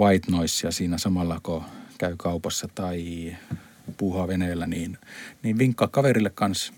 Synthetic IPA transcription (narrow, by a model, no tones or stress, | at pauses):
ʋɑit̪noisjɑsiːnæsɑmɑlːɑkokæykɑupɑsːɑt̪ɑi | puːhɑʋeneːlːæniːnniːʋʋiŋkːɑkkɑʋerilːekkɑns